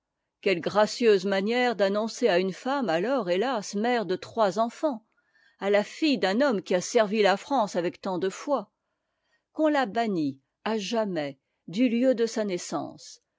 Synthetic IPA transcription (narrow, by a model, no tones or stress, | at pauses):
kʲɛlɡʁasjøzmanjɛʁd̪anɔ̃seaynfamalɔʁelasmɛʁd̪ət̪χwazɑ̃fɑ̃ | alafijd̪ɛ̃nɔmkʲiasɛʁvilafχɑ̃savɛkt̪ɑ̃d̪əfwa | kɔ̃labani | aʒamɛ | d̪yljød̪əsanɛsɑ̰̃s